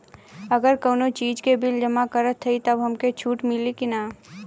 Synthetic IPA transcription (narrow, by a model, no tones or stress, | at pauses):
ɐɡəɾkoːnot͡ʃiːd͡ʒkebɪld͡ʒəmakəɾət̪ʰːəit̪ɐbɦɐmket͡ʃʰuːʈmɪlikinaː